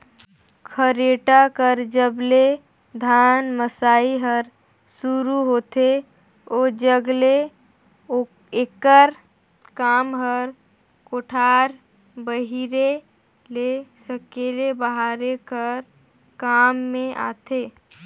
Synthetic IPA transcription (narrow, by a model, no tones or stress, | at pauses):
kʰəɾeʈakəɾd͡ʒəble | d̪ʱaːnməsaːiɦəɾ | suɾuɦot̪e | od͡ʒəɡle | ekəɾ | kaːmɦəɾ | koʈʰaːɾ | bəɦiɾe | lesəkelebəɦaɾekəɾ | kaːmːẽʔa̰ːt̪eː